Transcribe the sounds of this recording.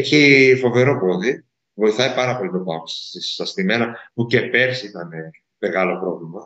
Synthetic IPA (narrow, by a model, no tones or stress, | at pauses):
eçifo̞ve̞ɾo̞po̞ði | vo̞iθɐipɐɾɐpo̞lit̪ot̪oɐmssisst̪ɐst̪ime̞nɐpuce̞pe̞ɾsit̪ɐne̞ | me̞ɣɐlo̞pɾo̞vlimɐ